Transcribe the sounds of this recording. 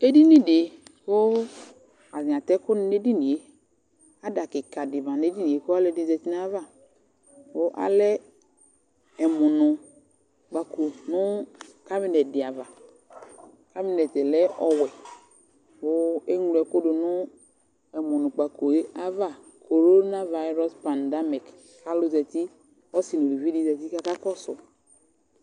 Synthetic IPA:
e˦di˦nĩ˦dɪ˨wo˦ | a˨zɪ̃˨ã˨t̪ɛ˦kʊ˦n˦ne˦di˦nĩ˨e˦ | a˦da˨kɪ˨ka˨dɪ˨vã˨ne˦di˦nĩ˨e˨ko˦a˦lɛ˦di˦˨˦zɛ˨ti˦nã˦va˦˨ | wo˦ʔa̰˦lɛ˦ | ɛ˨mʊ̃˨nʊ̃˨ | k͡pa˨ko˨nʊ̃˦ka˦bi˦nɛ˨dɪ˨a˨va˨ | ka˦bi˨˦nɛ˨tɛ˨lɛ˦ʔɔ˨wɛ˨ | bʊ˦e˦ŋ˨lɛ˨ko˦dʊ˨nʊ˦ | ɛ˨mʊ˨nʊ˨k͡pa˨ko˨e˦a˦va˦˨ | kʰo˨ɾo˦na˦va˨˦i˦ɾɔ˦spã˨nda˦mi˨k | ka˦lʊ˦zɛ˨ti˦ | ɔ˦si˨nu˨li˨vi˦di˦zɛ˨ti˦ka˦ka˦kɔ˦sʊ˨

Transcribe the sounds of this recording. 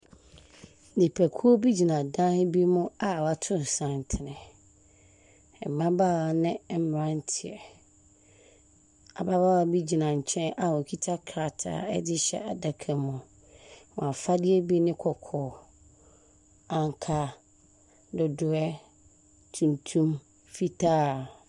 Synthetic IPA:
dɪ˨pʰæ˨kʰu˦o˦bi˦d͡ʑi˨nã˨dã˦bi˦mʊ̃˦a˨wa˨tʰʊ̃˦˨n˨sã˨n˨tʰɪ˨nɪ̃˨ | m̩˨mã˦baː˦˨wa˨nɪ̃˦˨m˦m˨ɾã˦n̩˦tʰɪ˨ɛ˨ | a˨ba˦ba˦wa˦˨bi˦d͡ʑi˨nã˨ɲ̩˨t͡ɕʰɛ̃˦nʔa˨wɔ̃˨kʰi˦tʰa˦kʰɾa˨tʰa̰˨ɛ̰˦dɪ˦ɕɛ̰˦a˨da˨kʰɛ˨mʊ̃˨ | wɔ̃˨a˨fa˦dɪ˦ɛ˦bi˦nɪ̃˦kʰɔ˨kʰɔː˨ | ã˨ŋ˨kʰa˦ | dʊ˨dʊ˨ɛ˦ | tʰũ˨ntʰũ˦m | fi˦tʰaː˦˨

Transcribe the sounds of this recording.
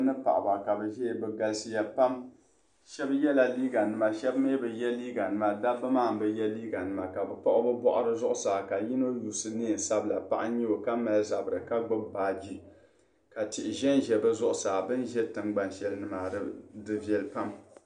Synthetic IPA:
nɨ˦pa̰˨ʔba˨ka˨bɛ˨ʒɛ˦˨bɛ˨ɡa˨lsi˦ja˦pa˦m | ʃɛ˦bjɛ˦la˨liː˦ɡa˨nɨ˨ma˨ʃɛ˦bme˦bɛ˨jɛ˦liː˦ɡa˨nɨ˦ma˨da˦bɨ˦maː˦˨m˨bɛ˦jɛ˦liː˦ɡa˨nɨ˦˨ma˨ka˨bɛ˨pa˦ʔʊ˦bɨ˦bɔ˦ʔʊ˦ɾɨ˦zʊ˦ʔʊ˦saː˨ka˨ji˦no˦juː˨sɨ˨nɨː˦˨n˨sa˦bla˨pa̰˦ʔa˦ɲɛ˦o˨ka˦ma˦lza˨bɨ˨ɾɨ˨ka˦ɡ͡bʊ˦bbaː˨d͡ʒi˦ | ka˨tɪ˨ʔɪ˨ʒɛ˦nʒɛ˨bɨ˦zʊ˦ʔʊ˨˦saː˨bɨ˦nʒɛ˦tɨ˨ŋɡ͡ba˦nʃɛ˨lnɨ˨ma˨ɾɨ˦dɨ˦vjɛ˨lpa˦m

